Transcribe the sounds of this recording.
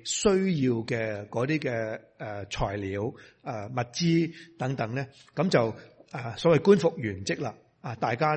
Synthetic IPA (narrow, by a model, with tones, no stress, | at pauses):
sɵ˥ɥjiː˧wkɛː˧kɔː˨˧˥t̪iː˥kɛː˧ | ʔɛ˨˧t͡ʃʰɔ̰ː˨˩jliː˨˥waː˧˩mɐ˨˩t̚t͡siː˥t̪ɐ˨˥ŋt̪ɐ˨˧˥ŋnɛː˥ | kɐ˨˧˥mt͡sɐ˨wʔaː˨˩sɔː˨˥wɐ˨jkuː˥nfʊ˨k̚jyː˨˩nt͡sɪ˥k̚la̰ː˧ | aː˨˧t̪aː˨jkaː˥